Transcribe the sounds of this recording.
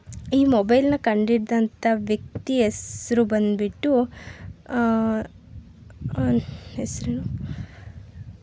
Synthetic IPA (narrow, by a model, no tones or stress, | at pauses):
iːmobɐjlnɐkɐɳɖiɽd̪ɐnt̪ʰɐʋjɐk̚t̪iesɐɾubɐnd̪biʈːu | esɾunu